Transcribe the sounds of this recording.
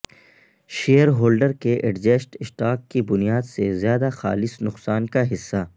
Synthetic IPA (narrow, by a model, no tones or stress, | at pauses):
ʃeːəɾɦoːlɖəɾkeʔeɖd͡ʒeːsʈɪsʈaːkːibʊnijaːd̪sezjaːd̪axa̰ːlɪsnʊqsaːnkaɦɪsːa